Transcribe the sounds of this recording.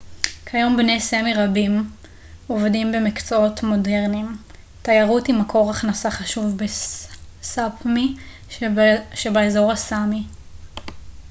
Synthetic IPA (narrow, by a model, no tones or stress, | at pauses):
kʰajo̞mbnejsemiʁabim | ovdimbe̞mikt͡soo̞tmo̞de̞ʁnim | tajaʁutimakʰo̞ʁaχnasaχaʃuvbe | sapmi | ʃebaezo̞ʁhasami